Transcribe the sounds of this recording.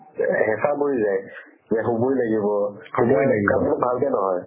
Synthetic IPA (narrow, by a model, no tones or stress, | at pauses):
ɦɛsabojzaj | zɛɦubujlaɡibɔhojlaɡibaɔɔnbʱalkɛnɔɦɔj